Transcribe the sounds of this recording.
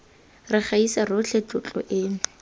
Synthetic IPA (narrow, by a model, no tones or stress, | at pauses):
rɪχaisarʊt͡ɬʰet͡ɬʼʊt͡ɬʼɔ̰ʔɪ